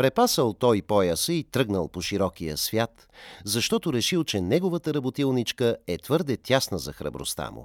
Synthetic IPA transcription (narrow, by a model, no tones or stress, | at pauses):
pɾɛpasəlˠt̪ɔjpɔjəsəit̪ɾɤɡnəlˠpoʃiɾɔk̟ijə̰svʲjat̪ | zɐʃt̪ɔt̪ʊɾɛʃilˠt͡ʃɛnɛɡovət̪əɾɐbot̪ilˠnit͡ʃkəɛt̪vɤɾd̪ɛt̪ʲjasnəzɐxɾə̰bɾo̰st̪a̰mʊ̰